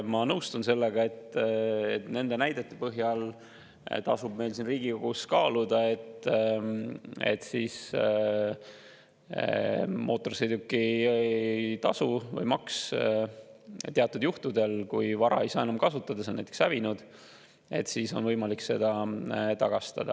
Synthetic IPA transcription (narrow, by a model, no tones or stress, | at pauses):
mɑnɤwst̪unse̞lːeɡ̥ɑe̞t̪ḛt̪ne̞nd̪e̞næjd̪̥e̞t̪ːˑepɤɦjɑl | t̪ɑsubme̞jlsinriːɡiko̞ɡ̥uskɑːlud̪̥ɑe̞t̪ː | e̞̰t̪ːsiːs | mʔo̞ːt̪ːˑo̞rsejd̪ukːˑiet̪ɑsuvɤ̰jmɑks | t̪eɑt̪ːˑud̪̥juht̪ud̪e̞lkujvɑɾɑ̰e̞jsɑːenɑmkɑsut̪ːˑɑd̪̥ɑsenæjt̪e̥ksævinud̪̥ | e̞̰t̪siso̞̰nvɤjmɑlikse̞d̪̥ɑt̪ɑɡ̥ɑst̪ɑ̰d̪̥ɑ̰